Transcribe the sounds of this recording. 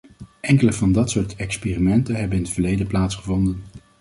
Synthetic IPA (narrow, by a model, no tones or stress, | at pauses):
ʔɛŋkələvɑndɑtsʊːɹtʰɛkspeːrimɛntənɦɛbənɪnətfəɹlejdəplaːtsχəvɔndən